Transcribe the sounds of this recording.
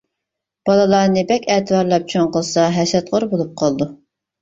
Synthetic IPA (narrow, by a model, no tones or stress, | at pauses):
b̥ɑlˠɨlˠɑːnɨbɛkʲʰɛːt̪ʰɨvɑɾlˠɑp̚t͡ʃʰoŋqəlˠsɑɦɛsɛt̪ʁoɾbolˠup̚qʰɑlˠd̪u